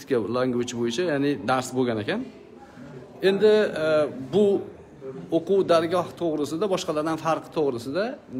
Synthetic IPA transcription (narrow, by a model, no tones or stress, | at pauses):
kʲalˠaŋʊt͡ʃʰbojɪt͡ʃʰajaːnɪd̪aɾsboɡʲanekʲʰan | e̞nd̪ɪ | bʊ | oqʰuwd̪aɾɡʲɒht̪ʰoʁɾɪsɪd̪abɒʃqɑlaɾd̪anfaɾqʰɨt̪ʰoʁɾɪsɪd̪a